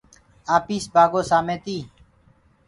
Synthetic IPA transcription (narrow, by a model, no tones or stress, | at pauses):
aːpiːsbaːɡoːsaːmeːt̪iː